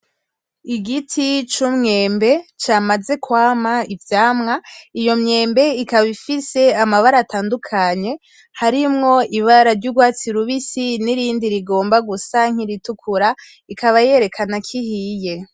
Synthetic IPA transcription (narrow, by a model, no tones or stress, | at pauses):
iɡitʰit͡ʃumŋe̞ːmbe̞t͡ʃamaze̞kwaːmaivjaːmŋaijo̞mɲe̞ːmbe̞ikaβifise̞amaβaɾaːtaːndukʰaɲe̞ | haɾimŋo̞iβaɾaɾɟuɡwaːt͡siɾuβisiniɾiːndiɾiɡo̞ːmbaɡusaŋ̥iɾitukʰuɾa | ikaβaje̞ɾe̞kʰanakʰihiːje̞